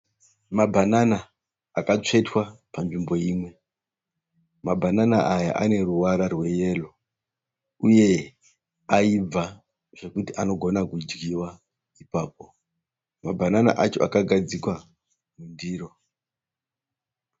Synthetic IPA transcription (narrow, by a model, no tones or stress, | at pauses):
mabʱananaː | kat͡ʂe̞twapanʐimbo̞jiːmwe̞ | mabʱananaʔaja̰ʔa̰ne̞ruwaɾarwe̞je̞lo̞ | uje̞ | aib͡va | ʐ̥e̞kutiʔano̞ɡʱo̞nakud͡ʒɡiwa | ipaːp̚o̞ | mabʱanana̰ʔat͡ʃo̞ʔakaɡʱad͡zikwa | mundiːro̞